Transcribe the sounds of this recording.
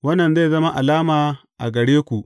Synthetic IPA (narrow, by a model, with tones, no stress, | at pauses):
wɐ˦nːɐ˨nza˦˨zɐ˦ma˦ʔa˨laː˦maː˨ | ʔa̰˨ɡɐ˨ɽeː˦kʷu˨ʔ